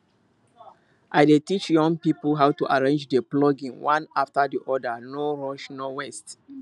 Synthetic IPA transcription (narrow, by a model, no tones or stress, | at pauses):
ʔajdetit͡ʃjɔ̃ŋpipəlɦawtuʔaɹẽnd͡ʒdəplɔɡĩŋwãnaftədiʔɔdənɔɹɔʃnɔwɛst